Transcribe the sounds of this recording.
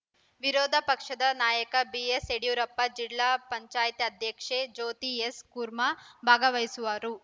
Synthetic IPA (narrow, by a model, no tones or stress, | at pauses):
ʋiɾoːd̪ʱɐpɐkʂɐd̪ɐnaːjɐkɐbieseɽijuːɾɐpːɐd͡ʒilːaːpɐɲt͡ʃaːjt̪iɐd̪ʱjɐkʂed͡ʒoːt̪ieskuːɾmabʱaːɡɐʋɐjsuʋaɾu